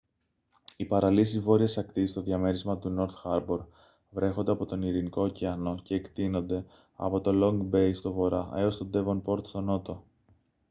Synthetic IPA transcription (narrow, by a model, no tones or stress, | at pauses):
ipɐɾɐlisizvo̞ɾiɐsɐkt̪ist̪o̞ðjɐme̞ɾizmɐt̪uno̞ɾt̪xɐɾbo̞ɾ | vɾe̞xo̞nd̪eɐpo̞t̪o̞niɾiniko̞ciɐno̞ce̞ːkt̪ino̞nd̪e̞ | ɐ̰po̞t̪o̞lo̞ŋɡbe̞jst̪o̞vo̞ɾɐʔe̞o̞st̪o̞d̪e̞vonpo̞ɾt̪st̪o̞no̞t̪o̞